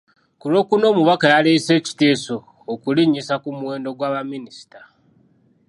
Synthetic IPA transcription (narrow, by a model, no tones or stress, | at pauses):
kulo̞ːkuno̞ːmuβakajaleise̞ːci̥te̞ːsoː | kuliɲːisakumuwe̞ːndo̞ɡwaːβaminisi̥ta